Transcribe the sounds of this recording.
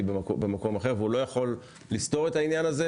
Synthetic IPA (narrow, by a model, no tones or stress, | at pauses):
bebemako̞maχe̞ʁveulojaχo̞lː | ist̪o̞ʁe̞t̪ainjanaze